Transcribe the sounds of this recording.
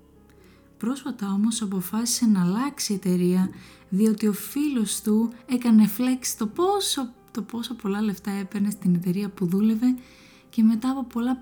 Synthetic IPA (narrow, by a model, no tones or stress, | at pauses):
pɾo̞sfɐt̪ɐo̞mo̞sɐpo̞fɐsi̥se̞nɐːlɐksie̞t̪e̞ɾiɐðio̞t̪io̞filo̞st̪ue̞kɐne̞fleksi̥t̪ost̪opo̞sɐpo̞lɐle̞ft̪ɐe̞peɾne̞st̪ine̞t̪e̞ɾiɐpuðule̞ve̞ | ce̞me̞t̪ɐːpo̞po̞lɐ